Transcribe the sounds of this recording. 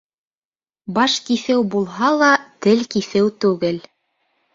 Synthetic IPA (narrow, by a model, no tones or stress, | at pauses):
bɑʃkiθɘwbulˠɦɑlˠɑt̪ɘlkiθɘwt̪ʉɡɘl